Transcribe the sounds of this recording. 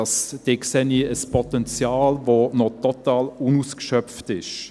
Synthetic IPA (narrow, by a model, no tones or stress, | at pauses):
ɑsd̥eksɛniəspʰɔt̪ɛnt͡sjɑːlvonɔtɔt̪ɑːlunuːskʃœftɪʃ